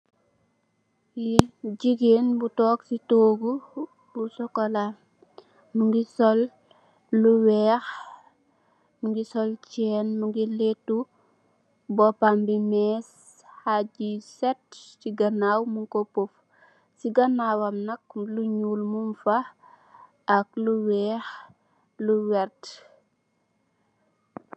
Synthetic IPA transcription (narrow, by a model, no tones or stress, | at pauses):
jiɟiɡenbutɔːksitoːɡu | busɔkɔla | muŋɡisɔlː | uwɛːx | muŋɡisɔlt͡ʃɛːnmuŋɡiletu | bɔpambimɛːs | haɟisɛtsiɡɐnawmuŋkopuf | siɡɐnawɐmnɐk̚luɲuːlmumfa | ʔak̚luwɛːx | luwɛɾt